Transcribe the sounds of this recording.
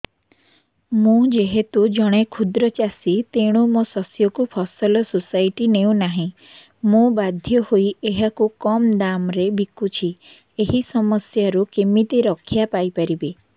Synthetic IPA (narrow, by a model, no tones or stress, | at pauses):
mũd͡ʒeɦet̪ud͡ʒɔɽ̃ekʰud̪ɾɔt͡ʃasit̪eɽ̃umosɔsjɔkupʰɔsɔlɔsusajʈineũnaɦĩ | mũbad̪ʱjɔhoieɦakukɔmd̪amɾebikut͡ʃʰi | eɦisɔmɔsjaɾukimit̪iɾɔkʰjapajpaɾibe